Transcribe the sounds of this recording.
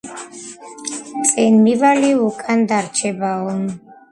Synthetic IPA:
t͡sʼɛnmivaliukʼand̪aɾt͡ʃʰɛbaɔn

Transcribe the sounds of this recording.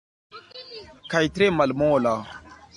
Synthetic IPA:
kajtɾemalmola

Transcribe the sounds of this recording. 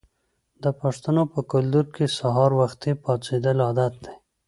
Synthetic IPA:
d̪əpaʂt̪anopəkʊld̪uɾkesaɦɑɾwaxt̪ipɑt͡sed̪əlɑːd̪at̪̚d̪e

